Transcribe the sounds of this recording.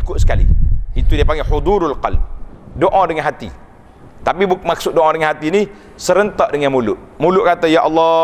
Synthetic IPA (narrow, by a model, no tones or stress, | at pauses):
ikʊʔ̪̚sə̥kalḭit̪udiapaŋɡeħud̪uɾalqɑ̰lb̚doʔãdəŋanɦat̪ḭ | t̪apibumaksʊt̪̚doʔãdəŋanɦat̪ini | səɾənt̪aʔdəŋanmulʊʔ | mulʊʔkat̪ajaʔɑlːɑ